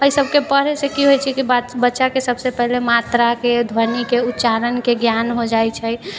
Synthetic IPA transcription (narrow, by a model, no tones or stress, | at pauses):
əisəbʱkepəɾesekiɦojt͡ʃʰɛkibabətːʃakesəbsepɛɦlemat̪ɾaked̪ʱwəɾnikeut̪ːt͡ʃaɾənkeɡjanɦod͡ʒajt͡ʃʰɛ